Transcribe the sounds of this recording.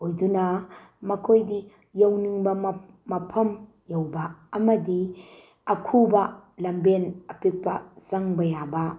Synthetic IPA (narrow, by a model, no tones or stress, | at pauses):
ojdunɐmɐkʰojdi | jowniŋbɐː | ɐpʰɐm | jɐwbɐːmɐdi | ɐkʰubɐlɐmbenɐpik̚pɐsɐŋbɐjabɐ